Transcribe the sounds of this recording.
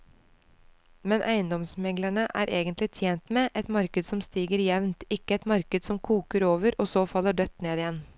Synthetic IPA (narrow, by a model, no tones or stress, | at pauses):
mɛnʔæɪənd̪ɔmsmɛɡlæɳəʔæ̰ːɾʔeːɡənt̪lɪt̪ʰjeːnt̪meːʔɛt̪mɑɾkəd̪sɔmst̪iːɡəɾjɛʋnt̪ɪkːəɛt̪mɑɾkəd̪sɔmkʰuːkəɾoːʋəɾoːsoːfɑlːəɖœt̪ːneːd̪ɪjɛn